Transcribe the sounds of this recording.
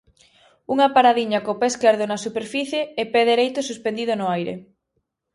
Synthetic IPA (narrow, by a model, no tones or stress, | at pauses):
uŋapaɾaðiɲakopeskeɾð̞onasupeɾfiθjeɛpɛðeɾejt̪ʊsuspend̪iðonʊajɾḛ